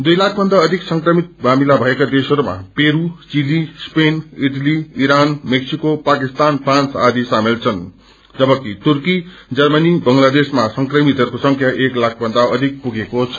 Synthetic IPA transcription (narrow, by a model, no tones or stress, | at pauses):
d̪ujlak̚ʰbʱʌnd̪aʌd̪ʱiksʌŋkrʌmit̪̚bʱamilabʱʌekad̪esʌɾuma̰peɾut͡silispeniʈliiɾanmeksikopakist̪anpʰransa̰d̪isamelt͡sʰʌn | d͡zʌbʌkit̪urkid͡zʌrmʌnibʌŋlad̪esmasʌŋkrʌmit̪ʌrkosʌŋkʰjaʔeklak̚ʰbʱʌnd̪aʌd̪ʱik̚puɡekot͡sʰʌ